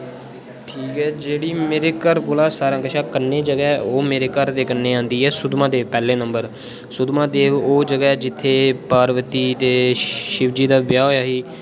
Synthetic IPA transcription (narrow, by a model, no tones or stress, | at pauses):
ʈʰiːkɦɛːd͡ʒeːɽiːmeːɾeːkəɾkolaːsaːɾãːkəʃaːkənːeːd͡ʒəɡɛoːmeːɾeːkəɾt̪eːkənːeːãːnd̪iːɦɛːsʊd̪mãːd̪eːpɛːleːnəmbəɾ | sʊd̪mãːd̪eːʋoːd͡ʒəɡɛːd͡ʒɪt̪ʰːeːpaːɾʋət̪iːt̪eːʃɪʋd͡ʒiːd̪aːbjaːɦoːjaːɦiː